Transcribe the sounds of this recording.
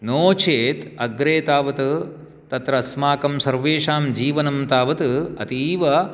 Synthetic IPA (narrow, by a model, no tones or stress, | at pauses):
noːt͡ʃʰeːt̪ɐɡɾeːt̪aːʋɐt̪ɨ | t̪ɐt̪ɾɐsmaːkɐmsɐɾʋeːʂaːmd͡ʒiːʋɐnɐmt̪aːʋɐt̪ɨɐ̰t̪iːʋɐ